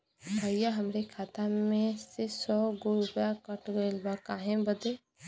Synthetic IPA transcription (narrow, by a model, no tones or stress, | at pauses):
bəɪjaɦəmɾekʰaːt̪amẽsesɔɡoɾʊpjakəʈɡəɪlbakaɦẽbəd̪e